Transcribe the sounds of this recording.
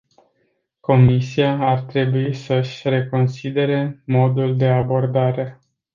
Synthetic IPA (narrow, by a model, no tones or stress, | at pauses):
ko̞misiaːrt̪ɾe̞buisəʃʲɾe̞ko̞nsid̪e̞ɾe̞mo̞d̪uld̪e̞abo̞rd̪aɾe̞